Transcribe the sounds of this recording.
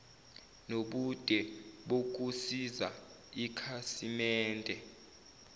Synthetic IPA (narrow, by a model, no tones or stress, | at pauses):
noɓud̥ʼʱɛɓok̬usiza | ikʰasimɛːndʱɛ